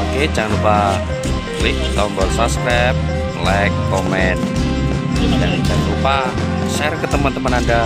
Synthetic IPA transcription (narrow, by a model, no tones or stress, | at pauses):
oked͡ʒaŋanɾupa | lɪk̚t̪ɔmbɔrsabskɾap̚ | lajkːɔmɛn | dand͡ʒaŋanɾupa | ʃɛrkət̪əmənt̪əmənanda